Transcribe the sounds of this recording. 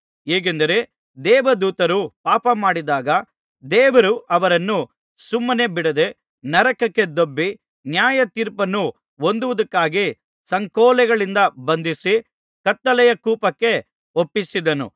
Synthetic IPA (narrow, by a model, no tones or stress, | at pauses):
ɦeːɡend̪ɐɾe̞ | d̪ɛːʋɐd̪uːt̪ɐɾupaːpɐmaːɽid̪aːɡɐ | d̪ɛːʋɐɾuʔɐʋɐɾɐnːu | sumːɐne̞biɽɐd̪e̞ | nɐɾɐkɐkːe̞d̪obːi | njaːjɐt̪iːɾpɐnːu | ond̪uʋɐd̪ɐkːaːɡi | sɐŋkɔːlɛɡɐɭind̪ɐbɐnd̪isi | kɐt̪ːɐlɛjɐkuːpɐkːe̞ | opːisid̪ɐnṵ